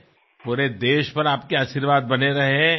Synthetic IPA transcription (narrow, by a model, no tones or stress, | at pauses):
puːɾed̪eːʃpɐɾaːpkeaːʃiɾʋaːd̪̚bɐneɾɐɦeɛ̃